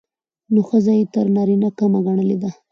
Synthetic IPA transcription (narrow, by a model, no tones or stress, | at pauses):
noxəzajet̪əɾnɑɾinakamaɡaɳ̃əled̪a